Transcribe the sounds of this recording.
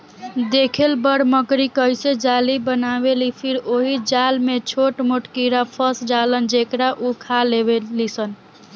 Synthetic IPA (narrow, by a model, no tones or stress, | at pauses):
d̪ekʰelbəɽməkɾikəjsed͡ʒalibənabelipʰiɾoɦid͡ʒalmet͡ʃʰoʈmoʈkiɾapʰəsd͡ʒalənd͡ʒekɾaʔukʰalebelisən